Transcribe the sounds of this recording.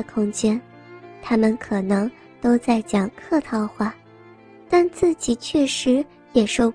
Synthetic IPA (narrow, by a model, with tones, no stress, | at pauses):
ə˨kʰʊ˥ŋt͡ɕjɛ˥n | t̪ʰa˥mə˨nkʰɤ˨˩nɤ˧˥ŋ | t̪o˥ʊt͡sa˥˩ɪt͡ɕjɑ˨˩ŋkʰɤ˥˧t̪ʰɑ˥˧ʊxwa˥˩ | t̪a˥˧nt͡sɹ̩˥˩t͡ɕi˨˩t͡ɕʰɥɛ˥˩ʂɻ̩˧˥ | jɛ˨˩ʂo˥˧ʊ